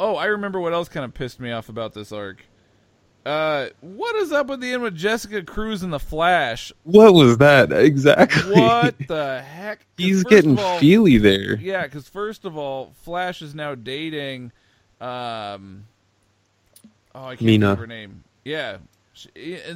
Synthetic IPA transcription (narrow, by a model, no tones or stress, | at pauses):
oʊaɪɹɨmɛ̃mbə˞wʌɾɛlˠskʰãɪ̃ndəpʰɪst̚miɔfəbaʊt̪̚ðɪsɑɹk | ʌwʌɾɨzðət̚b̥ɨt̪̚ðiɛ̃nd̚wɨðd͡ʒɛsɨkɨkʰɹ̥ʉz̃nðəflæʃwʌt̚wʌzðæt̚ɪɡzæ̰k̚tʰˡlwiʌt̪̚ðəhɛkhizɡɡɛɾɪ̃ŋfilˠiðə˞jækʰʌz̥fɜ˞stʌvɔlˠflæʃɨznaʊdeɪɾɪ̃ŋ | ʔʌ̃m | ʔoʊaɪkminəə˞nẽɪ̃m | jæ